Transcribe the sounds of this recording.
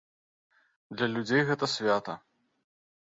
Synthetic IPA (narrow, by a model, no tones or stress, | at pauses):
d̪lʲɐlʲud͡zʲejɣɛt̪ɐsʲvʲat̪ɐ